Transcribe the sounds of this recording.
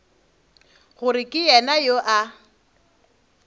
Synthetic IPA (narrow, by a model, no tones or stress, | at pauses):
ɣʊɾɪkʼɪjɛnajoʔa